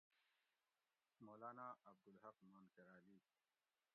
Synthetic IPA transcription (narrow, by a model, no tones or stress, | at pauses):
moːlaːnaɐb̚d̪ulɦɐfmaːnkɐɾaːliː